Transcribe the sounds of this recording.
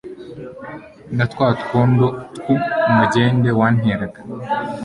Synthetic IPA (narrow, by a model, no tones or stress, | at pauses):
nat̪kwaːtu̥kʰoːndotkumaɟeːndewaːnɦeɾaɡḁ